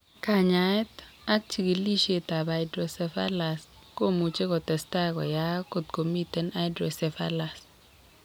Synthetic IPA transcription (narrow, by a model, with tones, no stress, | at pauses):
ka˨ɲa˨ɛ˦t | a˦k̚t͡ʃi˨ɡi˨li˦ʃe˦ta˨ba˨ɪdɾo˨sɛ˨fa̰˦la˨s | ko˦˨mu˨t͡ʃe˦kɔ˨tɛ˨sta˦kɔ̰˨ja˦ko˨t̪̚ko˨mi˦tɛ˦na˦dɾo˨sɛ˨fa̰˦la˨s